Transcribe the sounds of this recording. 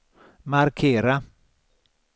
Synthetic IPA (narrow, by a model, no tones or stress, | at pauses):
markʰeːɾa